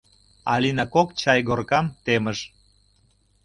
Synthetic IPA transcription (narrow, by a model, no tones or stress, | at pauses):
ɑ̰linɑkokt͡ɕɑjɡorkɑmt̪eməʒ